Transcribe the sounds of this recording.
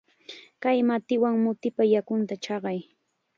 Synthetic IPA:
kajmat̪ɪwaŋmʊt̪ɪpajakʊnt̪at͡ʃɑɢɑj

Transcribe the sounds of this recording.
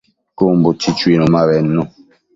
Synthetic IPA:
kombot͡ʃit͡ʃwenomaβɛnːo

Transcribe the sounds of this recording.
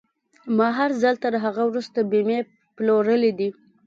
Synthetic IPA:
mɑɦaɾzalt̪əɾɦaɣawɾust̪abime | ploɾəled̪i

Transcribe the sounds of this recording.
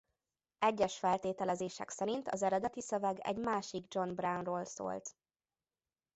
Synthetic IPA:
ɛɟːɛʃfɛlt̪eːt̪ɛlɛzeːʃɛ̰ksɛɾint̪ɒ̰zɛɾɛd̪ɛt̪isøvɛɡɛ̰ɟmaːʃiɡd͡ʒo̞nbrawnroːlso̰ːlt̪

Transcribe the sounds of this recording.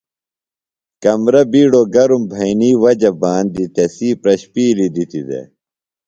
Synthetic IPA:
kɐmɾɐbiːɽoɡɐɾumbʱɐiniːwɐd͡ʑɐbaːnd̪it̪esiːpɾɐɕpiːlid̪it̪id̪ḛ

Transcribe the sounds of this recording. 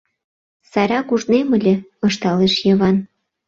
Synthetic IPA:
sɑjɾʲɑkuʒnemə̆lʲĕɤʃt̪ɑleʃjəβɑn

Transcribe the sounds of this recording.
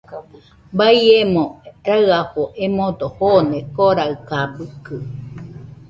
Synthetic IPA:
baiemõɾaɯaɸoʔemod̪ohonekoɾaɯkabɯkɯ

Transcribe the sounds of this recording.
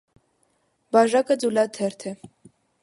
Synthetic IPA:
bɑʒɑkəd͡zulɑt̪ʰɛɾt̪ʰɛ

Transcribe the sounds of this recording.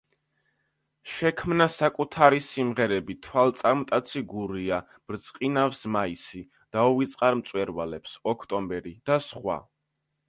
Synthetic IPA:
ʃɛkʰmnasakʼut̪ʰaɾisimʁɛɾɛbit̪ʰwalt̪sʼaɾmt̪ʼat̪sʰiɡuɾia | b̥ɾt̪sʼqʼinafsmaisi | d̪̥auvit̪sʼqʼaɾmt̪sʼwɛɾvalɛpsɔkʰt̪ʼɔmbɛɾid̪̥asχwa̰

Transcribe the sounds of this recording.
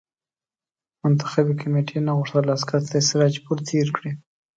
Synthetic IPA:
mʊnt̪ḁxabekameʈʰenaɣʊʂt̪alaːskaɾt̪asiɣɑd͡ʒpuɾt̪ʰeɾkɽi

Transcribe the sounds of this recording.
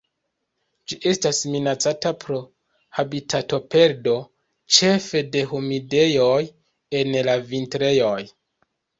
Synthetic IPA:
d͡ʒiʔe̞stasminat͡satapʰɾo̞ | habitʰato̞pe̞ɾdo̞ | t͡ʃe̞fe̞de̞ɦomide̞joj | e̞nlavintɾe̞jo̞j

